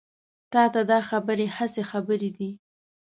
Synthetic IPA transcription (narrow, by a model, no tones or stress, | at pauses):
t̪ɑt̪ad̪ɑxabəɾehasexabəɾed̪i